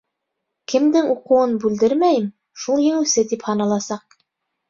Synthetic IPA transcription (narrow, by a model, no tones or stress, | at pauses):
kɘ̆md̪ɘŋuqɤ̆wɤnbʉld̪ɘɾmæjɘm | ʃulˠjɘ̆ŋɘ̆wsɘt̪iphɑnɑlˠɑsɑq̚